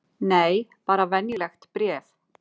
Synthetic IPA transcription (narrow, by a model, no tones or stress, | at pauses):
nejpaːɾavɛnjəlɛxt̪pɾjɛːv